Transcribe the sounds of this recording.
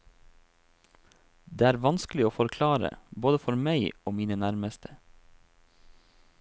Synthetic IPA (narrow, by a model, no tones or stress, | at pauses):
d̪eːæːɾʋɑnsklɪoːfɔɾkʰlɑːɾə̰boːd̪əfɔɾmæɪoːmiːnənæɾməst̪ʰə̥